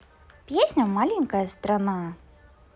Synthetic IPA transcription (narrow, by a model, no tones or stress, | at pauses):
pʲjesʲnʲɐmalʲinʲkɐjɐst̪ɾana